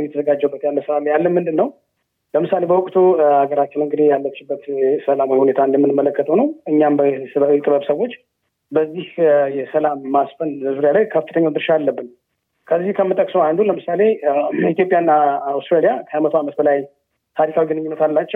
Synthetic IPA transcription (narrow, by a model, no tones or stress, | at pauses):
jɛt̪ʰəzəɡad͡ʒːəwubːət̪jalːəsəlamjalːəmɨnd̪ɨnːəw | ləmɨsale̞bəwʊkʼt̪ʰuaɡəɾat͡ʃːɪnɨŋɡɨd̪ijalːət͡ʃːɪbːət̪səlamhune̞t̪ʰand̪əmːɨnɨmːələkːət̪ʰʼəwnəwɨɲːambəəɛt̪ʼɨβəβsəwo̞t͡ʃː | bəzːihjɛsəlamːasfənzəzuɾejalajkʰəffɨt̪ʰəɲːad̪ɨɾʃaalːəbːɨn | kʰəzːihkʰəmːɨt̪ʼəkʼsoand̪uləmɨsale̞it̪jo̞pʼjanːaawst̪ʼɾelijakʰəamət̪ʰoamət̪bəlaj | t̪ʰaɾikʰawiɡɨnɨɲːɪnːət̪ʰalːat͡ʃːɛw